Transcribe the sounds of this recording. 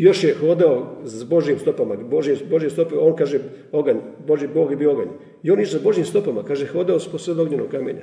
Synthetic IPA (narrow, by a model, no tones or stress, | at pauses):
jo̞ʃjexo̞ːd̪aozbo̞ʒjiːmst̪o̞pamaboʒjimsbo̞ʒjest̪o̞peoːnkaːʒe | o̞ɡaɲboʒibo̞ːɡjebijoo̞ɡa̰ɲ | ioːnit͡ʃsbo̞ʒjiːmst̪o̞pamakaːʒexoːd̪aosposʋed̪oɡɲenoɡ̚kːamḛɲa̰